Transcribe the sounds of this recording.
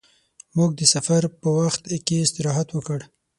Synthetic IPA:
muɡ̚d̪əsafaɾpəwaxt̪keɪst̪ɪɾɑɦat̪wəkəɽ

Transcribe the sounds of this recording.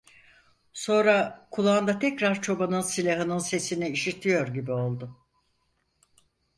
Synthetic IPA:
so̞nɾakʰulˠaːnd̪at̪ʰɛcɾaɾt͡ʃʰo̞banɯnsilʲaɦɯnɯnse̞siniiʃit̪ʰijo̞ɾɟibio̞lˠd̪ʊ

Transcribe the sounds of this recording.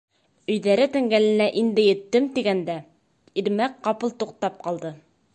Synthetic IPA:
ɵ̆jðæɾɘt̪ɘ̆ŋɡælɘ̆næʔind̪ɘ̆jɘ̆t̪ːɘmt̪iɡænd̪æ | iɾmæk̚qɑpɤlˠt̪uq̚t̪ɑp̚qɑlˠd̪ɤ

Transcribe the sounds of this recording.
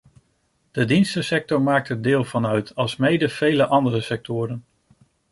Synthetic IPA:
d̥ədinstəsɛk̚tɔɹmaːk̚təɹdɪːlˠvɑnœɥtʰɑlˠsmejdəv̥ejləʔɑndərəsɛk̚tʰʊːɾən

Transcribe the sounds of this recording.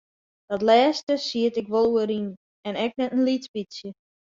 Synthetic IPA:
d̥ɔtlɛːstəsiətɪkʋolˠuəɾin | ɛnɛk̚nɛtənlitpisjə

